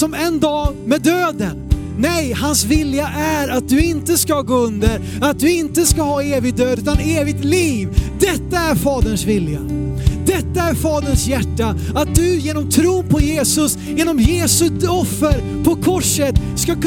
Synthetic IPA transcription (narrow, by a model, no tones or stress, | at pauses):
sɔmɛnd̪ɑːmɛd̪øːd̪ənː | ɛjhansvɪljaʔæɾat̪̚d̪ɵɪnt̪əskaɡoːɵnd̪əɾ | at̪̚d̪ɵɪnt̪əskahɑːeːvɪɡ̚d̪øːd̪ʉ̟ːt̪aneːvɪɡ̚t̪liːvd̪ɛt̪ːaæɾfɑːd̪əɳʂvɪljad̪ɛt̪ːaæɾfɑːd̪əɳsjæʈːa | at̪̚d̪ɵjeːnɔmt̪ʰɾuːnpʰɔjeːsɵs | jeːnɔmjeːsɵɔfːəɾ | pʰɔkʰɔʂət̪skak